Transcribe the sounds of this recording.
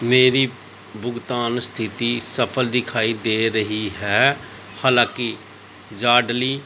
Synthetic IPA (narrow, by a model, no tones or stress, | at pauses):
meːɾiː | bʊɡt̪aːnst̪ʰɪt̪iːsəpʰəld̪ɪkʰaːid̪eːɾəɦiɦɛː | haːlãːkɪ | d͡ʒaːɖliː